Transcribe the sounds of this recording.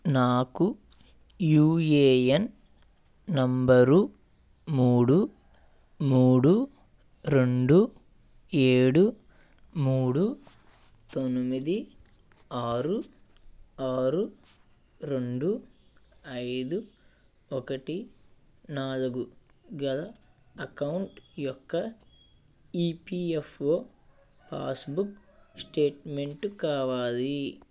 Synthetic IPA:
naːku | juːjeːjɐn | nɐmbɐɾu | muːɽu | muːɽu | ɾeɳɖu | eːɽu | muːɽu | t̪onmid̪i | aːɾu | aːɾu | ɾe̞ɳɖu | ɐjd̪u | ɔkɐʈi | naːluɡuɡɐlɐɐkɐwuɳʈjɔkːɐ | iːpiːefoː | pʰa̰ːsbuksʈe̞ːʈme̞ɳʈkaːʋaːli

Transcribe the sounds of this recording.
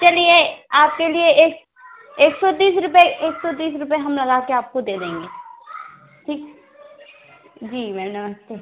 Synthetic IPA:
t͡ʃɐlieaːp̚kelieeːk | eːksɔd̪iːsɾʊpeʔeːksɔd̪iːsɾʊpeɦɐmlɐɡaːkeaːp̚kod̪eːd̪ẽːŋɡeː | ʈʰiːk | d͡ʒiːmɛːnɐməst̪e

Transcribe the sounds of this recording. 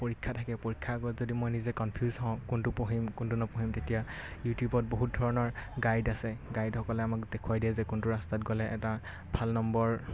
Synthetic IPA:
poɹikʰːatʰakɛpoɹikʰːaɡɔtzodimojnizɛkɔnpʰjuzɦɔ̃ʊ̃kuntupɔɦimkuntunɔpɔɦimtetija | jutjubɔt̚boɦut̚dʱɔɹɔnɔɹɡajdasɛɡajdxɔkɔlɛamakdekʰuwajdiɛzɛkuntuɹastatɡɔlɛʔɛta | bʱalnɔmbɔɹ

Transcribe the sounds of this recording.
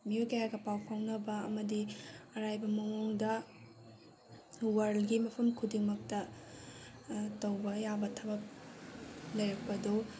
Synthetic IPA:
mijokajaɡɐpawpʰawnɐbɐːmɐdiɐɾajbɐmɐŋuŋdɐ | wɐɾlɡimɐpʰɐmkʰudiŋmɐk̚tɐ | tɐwbɐjabɐtʰɐbɐp̚ | lɐjɾɐk̚pɐdo

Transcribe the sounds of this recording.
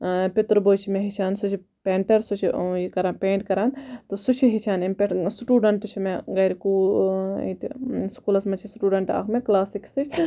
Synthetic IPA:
pɪt̪ɾboːt͡ʃʰimẽɦit͡ʃʰaːnsut͡ʃʰi | peːɳʈɐɾsut͡ʃʰijikɐɾaːnpẽːɳʈkɐɾaːnt̪usut͡ʃʰiɦit͡ʃʰaːnimpʲeʈsʈuːɖɐɳʈt͡ʃʰimeɡɐjɾikuːḭt̪iskuːlɐsmɐt͡ʃʰisʈuːɖɐɳʈa̰ːkʰmẽklaːsiksɨt͡ʃʰ

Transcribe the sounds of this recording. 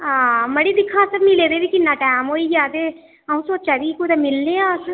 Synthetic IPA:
aməɽiːd̪ɪkʰːãːsəbnĩːleːd̪eːʋiːkɪnːaːʈɛːmɦoːiːd͡ʒaːd̪eː | əũːsoːt͡ʃaːʋiːkuːɾaːmɪlnẽːaːs

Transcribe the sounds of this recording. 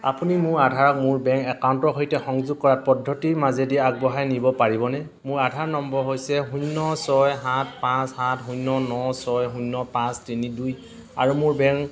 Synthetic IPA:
a̰punimʊɹadʱaɹɔk̚mʊɹbɛŋkɛkawntɔɦojtɛxɔŋzuɡ̚kɔɹat̚pɔdʱːɔtiɹmazediaɡ̚bɔɦajnibɔpaɹibɔnɛ | mʊɹadʱaɹnɔmbɔɹɦojsɛɦunːɔsɔjɦatʰpãshatɦũnːɔnɔsɔjɦunːɔpãstiniduj | a̰ɹumʊɹbɛŋk

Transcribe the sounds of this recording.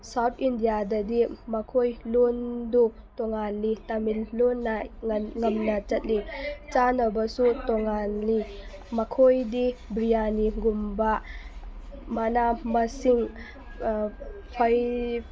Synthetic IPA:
sawt̪ʰindijadɐd̪imakʰojlundu | tɔŋanlitamilːunːaŋɐmnɐt͡ʃɐt̚lit͡ʃanɐbɐsutɔŋanli | makʰojdibɾijaniɡumba | manamasiŋ | pʰaj

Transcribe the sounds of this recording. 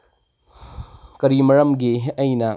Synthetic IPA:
kɐɾimɐɾɐmɡiɐjnɐ

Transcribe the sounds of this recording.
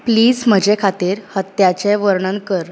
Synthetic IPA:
pliːd͡zm̤əd͡ʑɛkʰat̪iːɾhət̪jat͡ɕẽʋəɾɳə̃ŋkəɾ

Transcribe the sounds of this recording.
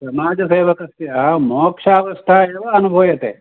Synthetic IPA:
sɐmaːd͡ʒɐseːʋɐkɐsjɐɐmɔːkʂaːʋɐʂʈ̪ʰaːeːʋɐɐnubʱoːjɐt̪ḛː

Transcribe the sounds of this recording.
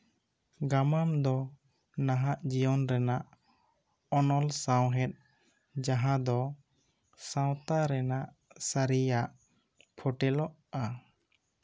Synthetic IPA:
ɡamamd̪ɔ | naɦaʔd͡ʒijɔnɾɛnaʔ | ɔnɔlsawɦɛt̪̚ | d͡ʒaɦãd̪ɔ | sãw̃t̪aɾɛnaʔ | saɾijaʔ | pʰɔʈɛlɔʔa

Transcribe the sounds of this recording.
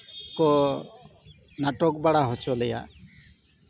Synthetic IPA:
kɔ | naʈɔk̚baɽaɦɔt͡ʃɔlɛja̰

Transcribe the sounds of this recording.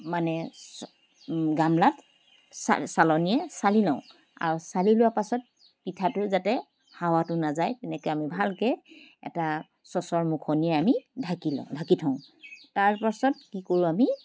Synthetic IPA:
manɛ | ɡamlat | sa̰salɔnijɛsalilãʊ̃ | a̰ɹusalilʊwapasɔt̚ | pitʰatʊzatɛ | hawatʊnazajtɛnɛkɔjamibʱalkɛɛ̰ta | sɔsɔɹmukʰɔniɛamidʱakilɔ̰dʱakitʰɔʊ̃taɹpasɔt̚kikoɹuami

